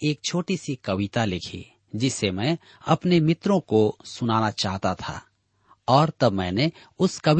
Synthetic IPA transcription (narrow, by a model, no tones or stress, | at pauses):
eːk̚t͡ʃʰoːʈisikɐʋɪt̪alɪkʰḭ | d͡ʒɪsemɛ̃ | ɐpnemɪt̪ɾõkosʊnaːnat͡ʃaːɦt̪at̪ʰa̰ | ɔːɾt̪ɐbmɛ̰̃ːne | ʊskɐʋ